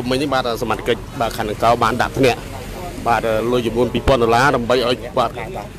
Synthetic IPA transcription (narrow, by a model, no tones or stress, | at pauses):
umːɨɲnihɓaːt̪̚əsamat̪ʰːḁkəc̚ɓaːkʰaːnɨŋkaɔɓaːnɗa̰ʔp̪ʰnɛ̆əʔ | ɓaːt̪əːlɨəjt͡ɕumnuənpiːpŏənɗolaːɗaəmɓəjʔaɔjkat̪kat̪a